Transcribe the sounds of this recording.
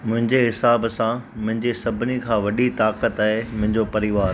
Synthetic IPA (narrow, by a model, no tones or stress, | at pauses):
mʊ̃ɦɪ̃ɲd͡ʑeɦɪsaːbsãmʊ̃ɦɪ̃ɲd͡ʑesɐbʱɪnikʰãːʋɐɗit̪aːkət̪aːɦemʊ̃ɦɪ̃ɲd͡ʑopɐɾɪʋaːɾ